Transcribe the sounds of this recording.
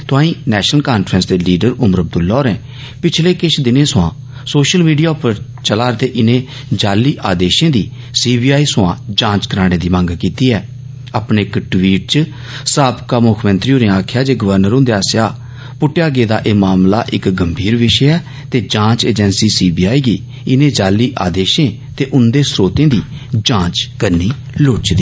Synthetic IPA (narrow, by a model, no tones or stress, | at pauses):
t̪ʊãːĩːnɛːʃnəlkaːnfʰɾənsd̪eːliːɖəɾʊməɾəb̚d̪ʊlːɔːɾɛ̃ː | pɪt͡ʃʰleːkɪt͡ʃʰd̪ɪnẽːsʊã̰ː | soːʃəlmiːɖijaːpəɾ | t͡ʃəlaːɾt̪eːʔɪnẽː | d͡ʒaːliːʔaːd̪eːʃẽːd̪iː | siːbiːaːiːsʊãːd͡ʒãːt͡ʃkəɾaːɽ̃eːd̪iːmə̃ŋɡkiːt̪iːɛː | aːpneːɪkʈʋiːʈ̚t͡ʃ | saːpkaːmʊkʰmənt̪ɾiːõːneːaːkʰɪjaːd͡ʒeːɡəʋəɾnəɾʊ̃nd̪eːaːsjaː | pʊʈːjaːɡeːd̪a̰ːʔeːmaːmla̰ːʔɪkɡəmbʱiːɾʋɪʃɛɛː | t̪eːd͡ʒãːt͡ʃeːd͡ʒɛ̃ːnsiːsiːbiːaːiːɡiː | ɪnẽːd͡ʒaːliːʔaːd̪eːʃẽː | t̪eːʔʊnd̪eːsɾoːt̪ẽːd̪iː | d͡ʒãːt͡ʃkəɾniː | lʊt͡ʃd̪iː